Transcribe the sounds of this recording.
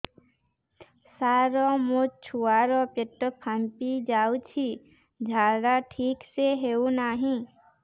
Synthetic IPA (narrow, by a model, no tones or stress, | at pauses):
saːɾɔmot͡ʃʰuːaːɾɔ̃pɪʈːəpʰəmpid͡ʒaːut͡ʃʰi | d͡ʒʱaːɽaʈʰiːkseɦeunaːɦĩ